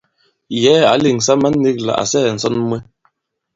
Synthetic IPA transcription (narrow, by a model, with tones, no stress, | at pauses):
jɛ˨˦a̰˨˦li˨ŋsa˦ma˦nː˦i˦kla̰˨ʔa̰˨sɛː˦˨n̩˨sɔ˦n˦mwe˦